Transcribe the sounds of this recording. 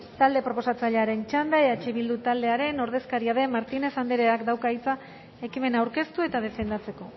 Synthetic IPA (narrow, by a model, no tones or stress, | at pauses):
t̪ald̪e̞pɾo̞po̞sat͡saʎeaɾe̞nt͡ʃand̪aeat͡ʃeβild̪ut̪ald̪e̞aɾe̞no̞ɾð̞e̞skaɾiað̞e̞maɾt̪ine̞sand̪eɾeakd̪awkait͡sa | ekime̞nawɾke̞st̪ue̞t̪aðe̞fe̞nd̪at͡se̞ko̞